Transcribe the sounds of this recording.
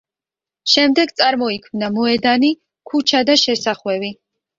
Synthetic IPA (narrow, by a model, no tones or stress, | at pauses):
ʃɛmd̪ɛɡt̪sʼaɾmɔikʰmnamɔɛd̪ani | kʰut͡ʃʰad̪aʃɛsaχwɛvi